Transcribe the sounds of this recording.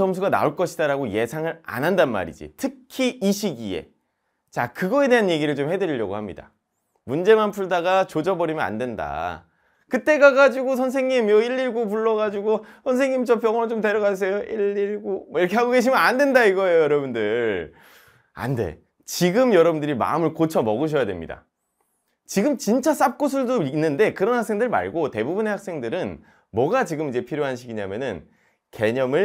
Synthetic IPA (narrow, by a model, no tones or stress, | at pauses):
ʌmsʰuɡana̰oɭk͈ʌɕʰidaɾaɡoje̞sʰaŋɯɾa̰nɦandanma̰ɾḭd͡ʑḭtʰɯkʰiʔiɕʰiɡḭe̞̰ | t͡ɕakɯɡʌe̞de̞ɦanje̞ɡiɾɯɭt͡ɕomhe̞dɯɾiʎjʌ̰ɡo̰hamɲida̰ | mund͡ʑe̞manpʰuɭdaɡat͡ɕod͡ʑʌbʌɾimjʌna̰ndwe̞nda̰ | kɯt͈e̞ɡaɡad͡ʑiɡosʰʌnsʰe̞ŋɲimjʌiʎːiɭɡop̬uɭːʌɣad͡ʑuɡosʰʌns̬ʰe̞ŋɲimt͡ɕʌp̬jʌŋʌnot͡ɕomte̞ɾjʌɣasʰejoʔiɭːiɭɡomʌiɾʌkʰe̞hʰaɡoɡe̞ɕʰimɯnandendaiɡʌejojʌɾʌbundɯɭ | a̰nde̞̰ | t͡ɕiɡɯmjʌɾʌbundɯɾima̰ɯmɯɭkot͡ɕʰʌmʌɡɯɕ̬ʰʌjadwe̞̰mɲḭda̰ | t͡ɕiɡɯmt͡ɕint͡ɕ͈as͈ap̚k͈osʰɯɭdoinːɯnde̞kɯɾʌnhak̚s͈e̞ŋdɯɭma̰ɭɡote̞bubune̞haks͈e̞ŋdɯɾɯn | mwʌɡat͡ɕiɡɯmid͡ʑe̞pʰiɾjoɦanɕʰiɡiɲa̰mjʌnɯn | ke̞ɲʌmɯɭ